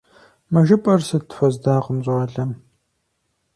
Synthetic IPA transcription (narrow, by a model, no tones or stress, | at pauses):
mɐʒɪpʼɐrsɐtʰfʷɐzdaːʁəmʑʼʁɐɮɐm